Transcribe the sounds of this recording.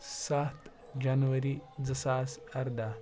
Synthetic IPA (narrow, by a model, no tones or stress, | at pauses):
saːt̪ | d͡ʒɐnʋɐɾid͡zəsaːsɐɾd̪a